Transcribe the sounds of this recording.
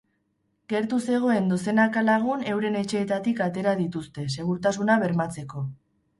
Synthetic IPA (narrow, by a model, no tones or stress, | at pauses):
ɡe̞ɾt̪use̞ɣ̞o̞e̞nd̪ose̞nakalaɣ̞une̞wɾe̞ne̞t͡ʃe̞ːt̪at̪ikat̪e̞ɾað̞it̪ust̪e̞s̬e̞ɣ̞uɾt̪asunaβe̞ɾmat͡se̞ko̞